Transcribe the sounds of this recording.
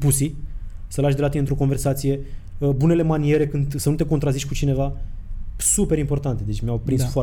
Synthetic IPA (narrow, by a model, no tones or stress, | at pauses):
pusisəlaʃʲd̪elat̪ineɨnt̪ɾo̞ko̞nve̞rsat̪sije̞ | əbune̞le̞manie̞ɾe̞kɨnd̪sənut̪e̞ko̞nt̪ɾaziʃʲkut͡ʃine̞va | supe̞ɾimpo̞rt̪ant̪ed̪e̞t͡ʃʲmʲjawpɾinsfoa